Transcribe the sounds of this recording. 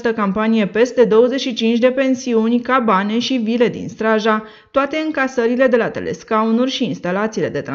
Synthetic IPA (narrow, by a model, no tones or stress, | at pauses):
st̪əkampanije̞pe̞st̪e̞d̪o̞wəze̞ʃit͡ʃint͡ʃʲd̪e̞pe̞nsiunʲkabane̞ʃivile̞d̪ḭnst̪ɾaʒa | t̪oat̪e̞ɨŋkasəɾile̞d̪e̞lat̪e̞̰le̞̰skaunurʲʃiːnst̪alat̪siːle̞d̪e̞t̪ɾa